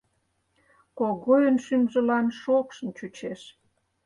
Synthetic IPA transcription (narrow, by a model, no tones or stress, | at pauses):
koɣojənʃymʒə̆lɑnʃokʃə̆nt͡ɕut͡ɕeʃ